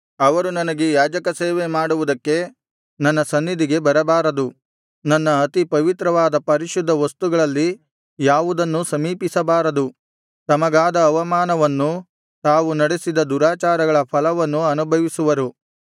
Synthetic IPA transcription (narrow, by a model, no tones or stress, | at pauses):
ɐʋɐɾunɐnɐɡejaːd͡ʒɐkɐseːʋe̞maːɽuʋud̪ɐkːe̞ | nɐnːɐsɐnːid̪ʱiɡe̞bɐɾɐbaːɾɐd̪u | nɐnːɐɐt̪ipɐʋit̪ɾɐʋaːd̪ɐpɐɾiʃud̪ʱːɐʋɐst̪uɡɐɭɐlːi | jaːʋud̪ɐnːusɐmiːpisɐbaːɾɐd̪u | t̪ɐmɐɡaːd̪ɐːʋɐmaːnɐʋɐnːu | t̪aːʋunɐɽesid̪ɐd̪uɾaːt͡ʃaːɾɐɡɐɭɐpʰɐlɐʋɐnːuɐnubʱɐʋisuʋɐɾu